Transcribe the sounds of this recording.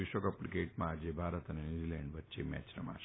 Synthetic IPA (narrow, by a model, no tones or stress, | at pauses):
ɪʃʋəkəpɽikeʈmãːd͡ʒebʱaɾət̪ənenid͡ʒilɛɳɖʋətːʃemɛ̰t͡ʃɾə̰ma̰ʃ